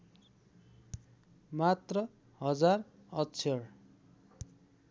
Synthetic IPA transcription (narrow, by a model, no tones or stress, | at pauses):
mat̪rʌ | ɦʌd͡zarʌtːt͡sʰʌɽ